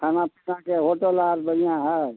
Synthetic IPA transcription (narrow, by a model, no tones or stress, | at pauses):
kʰanãpʰə̥sãkeɦoʈəlaːɾbəɽijãɦə